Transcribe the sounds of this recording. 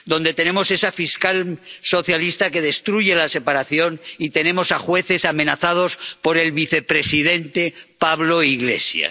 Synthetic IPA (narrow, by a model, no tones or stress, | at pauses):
d̪o̞nd̪et̪e̞ne̞mose̞safiskalso̞θjalist̪ake̞ð̞e̞st̪ɾuʝe̞lase̞paɾaθjo̞nit̪e̞ne̞mo̞saxwe̞θe̞samẽ̞naθað̞o̞spo̞ɾe̞lβiθe̞pɾe̞siðe̞nt̪e̞paβlo̞iɣle̞̰sja̰